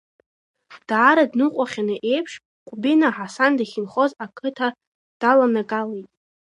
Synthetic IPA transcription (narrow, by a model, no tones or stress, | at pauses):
d̥aːɾadnɨqʷʼaχʲanɨʔe̞jpʰʂ | qʷʼbinaħasandaχʲɪnχo̞zakʰɨtʰa | d̥alanaɡalejtʼ